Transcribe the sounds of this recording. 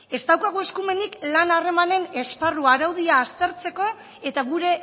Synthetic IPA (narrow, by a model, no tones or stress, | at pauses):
e̞st̪awkaɣ̞ue̞skume̞niklanare̞mane̞ne̞sparuaɾawðiaːst̪e̞ɾt͡se̞ko̞ | e̞t̪aɣuɾe̞